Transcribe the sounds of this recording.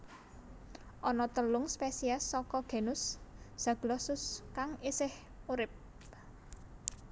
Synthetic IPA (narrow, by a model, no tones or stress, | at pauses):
ʔɔnɔt̪əlʊŋspesiasːɔkɔɡ̥e̤nʊsd̥ʒ̥ä̤ɡ̥əlɔsʊskaŋisɪh | uɾɪp̚